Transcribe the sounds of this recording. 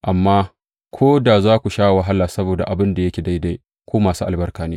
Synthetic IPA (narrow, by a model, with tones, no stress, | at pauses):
ʔa˨mːaː˦ | kʷʰoː˦da˨zaː˦kʷu˨ʃaː˦˨wa˨ɦa˦lːaː˨sɐ˦boː˨da˨ʔa˨bɪ˦nda˨jɐ˦kʲeː˨da˦jda˦j | kʷoː˦maː˨suː˦ʔa˨lbɐ˦rkaː˨neː˦